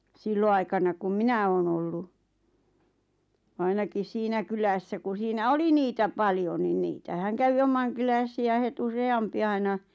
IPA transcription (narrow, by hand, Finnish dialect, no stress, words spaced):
silːoɑikɑnɑ kum minæ oːn olːu ɑinɑkis siːnæ kylæsːæ ku siːnæ oli niːtæ pɑljon ni niːtæhæŋ kæʋi omɑŋkylæsiæ het useɑmpi ɑinɑ